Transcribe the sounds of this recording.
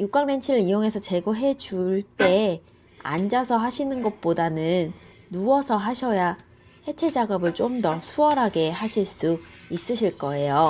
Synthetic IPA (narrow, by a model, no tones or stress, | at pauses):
juk͈aŋnent͡ɕʰiɾɯɾijoŋe̞sʰʌt͡ɕe̞ɡoɦe̞d͡ʑuɭt͈e̞ | a̰nd͡ʑasʰʌɦaɕʰinɯnɡʌt̚p͈odanɯnː | uwʌsʰʌɦaɕʰʌja | he̞t͡ɕʰe̞d͡ʑaɡʌbɯɭt͡ɕ͈omdʌsʰuʌɾɦaɡe̞ɦaɕʰiɭs͈uis͈ɯɕʰiɭk͈ʌe̞jo